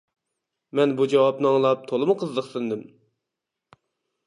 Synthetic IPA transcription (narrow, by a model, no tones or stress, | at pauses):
mɛnbud͡ʒɑwɑpnɨɑŋlˠɑp̚t̪ʰolˠɨmʊqʰəzːəχsɨnd̪ɨm